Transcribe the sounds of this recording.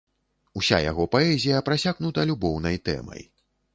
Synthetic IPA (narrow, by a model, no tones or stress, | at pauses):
usʲa̰ja̰ɣɔpaɛzʲijɐpɾasʲaɣnut̪ɐlʲubɔwn̪ɐjt̪ɛ̰mɐ̰j